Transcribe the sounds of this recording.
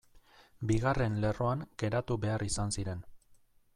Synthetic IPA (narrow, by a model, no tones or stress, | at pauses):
biɣare̞nle̞ro̞aŋɡe̞ɾat̪uβe̞arisansiɾe̞n